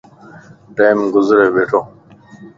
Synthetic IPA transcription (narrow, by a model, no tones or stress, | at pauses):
ʈeːmɡʊzɾeːbeːʈʰoː